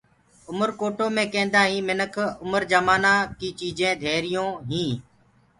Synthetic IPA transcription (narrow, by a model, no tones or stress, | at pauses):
ʊməɾkoːʈoːmẽːkẽːnd̪aːɦĩːmɪnəkʰʊməɾd͡ʒəmaːnãːkiːt͡ʃiːd͡ʒẽːd̪ʱeːɾɪjõːɦĩː